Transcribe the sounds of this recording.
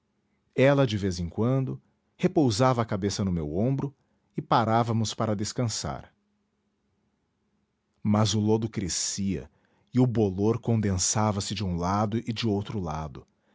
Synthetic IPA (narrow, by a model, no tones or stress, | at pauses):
ɛlɐd͡ʒɪvezẽŋkwɐ̃nd̪ʊ | hepowzavɐːkabesɐnʊmewõbɾʊ | ɪpaɾavɐmʊspaɾɐd̪eskɐ̃sa̰ɾ | mɐzʊlod̪ʊkɾesiɐ̰ | ɪʊboloɾkõnd̪ẽsavɐsɪd͡ʒɪũlad̪ʊʔɪd͡ʒɪowt̪ɾʊlad̪ʊ